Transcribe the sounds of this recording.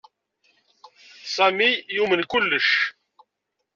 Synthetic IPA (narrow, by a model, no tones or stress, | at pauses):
sæmijumənkʊlːəʃ